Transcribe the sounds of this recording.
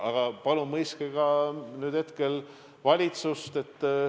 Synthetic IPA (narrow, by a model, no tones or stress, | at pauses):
ʔɑɡ̥ɑpɑlumɤjskeɡɑnyːd̪̥he̞t̪ke̞l | vɑlʲit̪sust̪e̞t̪ː